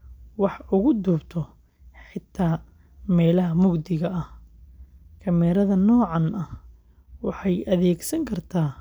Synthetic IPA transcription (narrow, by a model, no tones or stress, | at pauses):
wɑħʊɣʊd̪uːbt̪ʰɔ | ħɪt̪ʰːaː | mɛːlɐɦɐmʊɡd̪ɪɣɐʔɐh | kʰɐmɛːɾɐðɐnɔːʕɑnɐh | wɑħɑjʔɐðɛːɡsɐŋkʰɐrt̪ʰaː